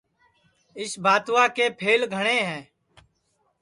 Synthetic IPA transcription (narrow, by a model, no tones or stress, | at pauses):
ɪsbʱaːt̪ʋaːkeːpʰeːlɡʱəɳ̃eːɦɛ̃ː